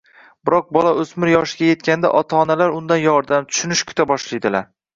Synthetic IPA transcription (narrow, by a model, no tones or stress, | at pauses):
bɪɾɒq̚bɒlˠaɵsmɪɾjɒʃɪɡʲaje̞t̪̚kʲʰand̪a̰ʔɒt̪ʰaːnalaɾʊnd̪anjɒɾd̪amt̪ʰʊ̥ʃʊnɪʃkʰʊ̥t̪ʰabɒʃlajd̪ɪlaɾ